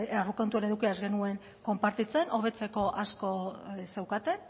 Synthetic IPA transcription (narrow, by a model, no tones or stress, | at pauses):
aruko̞nt̪uene̞ðukiazɡe̞nue̞ŋ | ko̞mpaɾt̪it͡se̞nʔo̞βe̞t͡se̞ko̞ʔasko̞se̞wkat̪e̞n